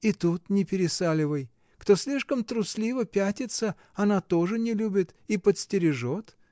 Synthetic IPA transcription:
it̪ut̪nʲɪpʲɪɾʲɪsalʲɪvəj | kt̪osʲlʲiʂkəmt̪ɾʊsʲlʲivəpʲætʲɪt̪sə | ɐnat̪oʐɨnʲɪlʲubʲɪt̪ipət̪sʲtʲɪɾʲɪʐot̪

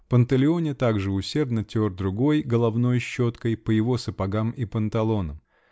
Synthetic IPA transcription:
pənt̪əlʲɪo̞nʲɪt̪aɡʐɨʊsʲe̞rd̪nətʲord̪ɾʊɡo̞jɡəlˠɐvno̞jɕːo̞t̪kəjpəjɪvo̞səpɐɡamipənt̪ɐlˠo̞nəm

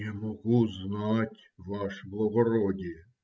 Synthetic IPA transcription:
amɔɣuznɑtʲ | ʋɑʃblˠɔɣɔɾɔdʲi

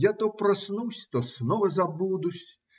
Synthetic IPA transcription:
jat̪ɔpɾɐsnusʲt̪ɔsnɔvɐzabud̪usʲ

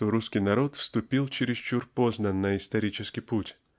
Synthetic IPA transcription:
t̪oɾuskʲɪjnɐɾo̞t̪fst̪ʊpʲilˠt͡ɕɪɾʲɪst͡ʃurpoznənːəɪst̪ɐɾʲit͡ɕɪskʲɪjputʲ

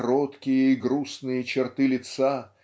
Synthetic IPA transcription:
ɾot̪kʲɪjəiɡɾusnɨjət͡ɕɪrt̪ɨlʲɪt̪sa

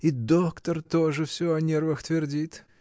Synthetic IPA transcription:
id̪okt̪ərt̪oʐɨfsʲoɐnʲervəxt̪vʲɪrdʲit̪

